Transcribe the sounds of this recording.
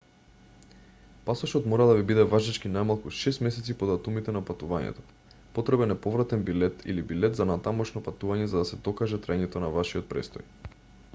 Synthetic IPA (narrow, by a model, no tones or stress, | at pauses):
pasɔʃɔt̪mɔɾad̪avibid̪ɛvaʒat͡ʃkinajmalˠkuʃɛst̪mɛsɛt̪sipod̪at̪umit̪ɛnapat̪uvaɲɛ̰t̪ɔ̥ | pot̪ɾɛbɛnɛpɔvɾat̪ɛnbilɛt̪ḭlibilɛt̪zanat̪amɔʃnɔpat̪uvaɲɛzad̪asɛd̪ɔkaʒɛt̪ɾajɲɛt̪ɔnavaʃiɔt̪̚pɾɛ̰st̪ɔj